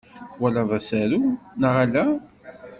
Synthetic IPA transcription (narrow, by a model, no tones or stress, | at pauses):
wælæðˤæsæɾunəʁalæ